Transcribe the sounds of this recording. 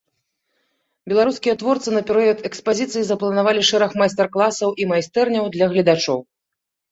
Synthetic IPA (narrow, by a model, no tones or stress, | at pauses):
bʲɛlˠaɾuskʲijɐt̪vɔrt̪sɨnɐpʲɛɾɨjɔt̪ɛkspazʲit̪sɨjizɐplˠɐnavalʲiʂɛɾɐxmajst̪ɛrklˠasɐwʔimajst̪ɛrnʲɐwd̪lʲɐɣlʲɐd̪at͡ʂɔw